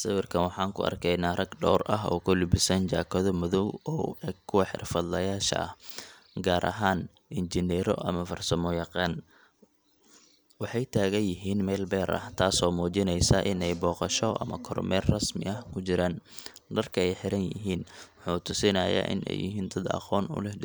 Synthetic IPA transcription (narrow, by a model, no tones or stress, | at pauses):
sɐwɪrkʰɐnwɑħɑːŋkʰʊ̰ɐ̰rkʰɛjnaːrɐɡɖɔːrʔɐɦɔ̰ːkʰʊlɪbɪsɐnd͡ʒaːkʰɔðɔmʊðɔwɔːkʰʊwɐħɪ̰rfɐd̪lɐjaːʃɐ̰ɐh | ɡaːɾʔɐ̰ɦaːn | ɪnd͡ʒɪnɛɾɔ̰ʔɐ̰mɐfɐrsɐmɔjɑqɑːn | wɑħɑjt̪ʰaːɣɐnjɪɦiːnmɛːlbɛːɾʔɐ̰ht̪ʰaːsɔːmuːt͡ʃɪnɛjsaʔɪnɛjbɔːqɑʃɔʔɐ̰mɐkʰɔ̰rmɛːrrɐsmɪ̰ɐhkʰʊt͡ʃɪɾaːnɖɐrkʰɐɛjħɪɾɐnjɪ̰ɦiːnwʊħuːt̪ʰʊsɪnɐja̰ːʔɪ̰nɛ̰jɪ̰ɦiːnd̪ɐd̪ɐ̰qɔːnʊ̰lɛhd